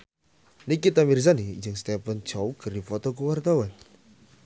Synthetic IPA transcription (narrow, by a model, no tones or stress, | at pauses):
nikit̪amirs̬aniːd͡ʒəŋst̪ɛpən̥d͡ʒ̥awkərdifɔt̪ɔkuwart̪awan